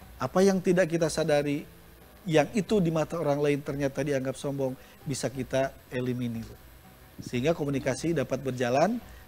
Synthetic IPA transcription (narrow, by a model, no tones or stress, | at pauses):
ʔapajaŋt̪idaʔkit̪asadaɾi | jaŋit̪udimat̪aoɾaŋlaɪnt̪ərɲat̪adiaŋɡap̚sɔmbɔŋ | bisakit̪a | eliminir | səɦiŋɡakomunikasidapat̪̚bərd͡ʒalan